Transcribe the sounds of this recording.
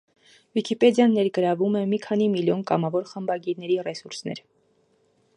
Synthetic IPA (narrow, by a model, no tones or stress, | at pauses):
vikʰipɛd̪jɑnːɛɾɡəɾɑvumɛmikʰɑnimiljɔnkɑmɑvɔɾχəmbɑɡiɾnɛɾirɛsuɾsnɛ̰ɾ